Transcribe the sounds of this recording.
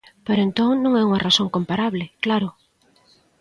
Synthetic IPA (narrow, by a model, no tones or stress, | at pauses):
peɾʊent̪oŋnõŋɛuŋɐrasoŋkompaɾaβlɪklaɾʊ